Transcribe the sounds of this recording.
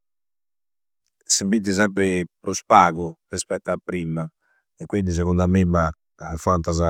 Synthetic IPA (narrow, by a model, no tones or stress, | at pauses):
sibid̪is̬ɛmp̬ɾɪpɾuspaːɣurispɛt̪ːapːɾiːma | ɛkwind̪is̬ɛɣund̪amimːa | fant̪aza